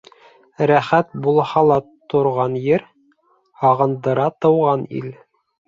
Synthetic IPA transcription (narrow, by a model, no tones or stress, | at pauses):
ɾæχæt̪̚bulˠhɑlˠɑt̪ŏɾʁɑnjɘɾ | hɑʁɤ̆nd̪ɤ̆ɾɑt̪ɤ̆wʁɑnḭl